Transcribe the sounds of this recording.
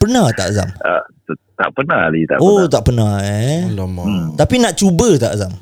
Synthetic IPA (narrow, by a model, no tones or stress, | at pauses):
pənaht̪a̰ʔaza̰ma | t̪aʔpənahlit̪aʔot̪aʔpənahe | t̪apinaʔt͡ʃubət̪aʔasam